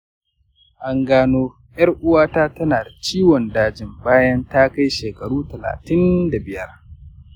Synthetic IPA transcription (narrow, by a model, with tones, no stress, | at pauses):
ʔa˦ŋɡaː˦noː˦ | jɐ˦rʔʊ˦waː˦taː˦tɐ˦naː˨da˨t͡ʃiː˦wɔ˨ndaː˦d͡ʒɪ˨mbaː˦jɐ˦nta˦ka˦jʃeː˨kɐ˨ɽuː˦tɐ˨la̰ː˨tɪ˦nda˨bɪ˨jɐ˦r